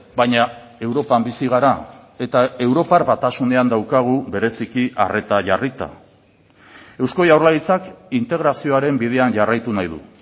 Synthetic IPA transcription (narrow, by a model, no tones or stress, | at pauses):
bajɲa | e̞wɾo̞pambisiɣ̞aɾae̞t̪ae̞wɾo̞paɾbat̪asune̞and̪awkaɣ̞uβe̞ɾe̞sikiʔa̰re̞t̪aʝarit̪a̰ | e̞wsko̞jawɾrlait͡sakint̪e̞ɣ̞ɾasio̞aɾe̞mbið̞e̞anʝarajt̪unajðṵ